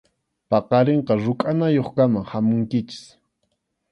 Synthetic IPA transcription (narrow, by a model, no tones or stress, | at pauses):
pɑqɑɾeɴqɑɾʊkʼanajoχkamaŋhamʊŋkɪt͡ʃɪ̥s